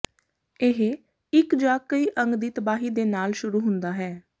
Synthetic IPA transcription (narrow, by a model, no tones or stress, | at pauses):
ɪɦe | ɪkd͡ʒaːkːəiːʔəŋɡd̪iːt̪əbaːɦiːd̪eːnaːlʃʊɾuːɦʊnd̪aːɦɛː